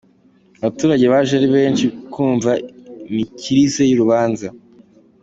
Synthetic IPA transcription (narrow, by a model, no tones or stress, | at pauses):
aβatuːɾaɟe̞βaːʒaɾiβe̞ːnʃikʰuːɱvaimiciɾise̞juɾuβaːnza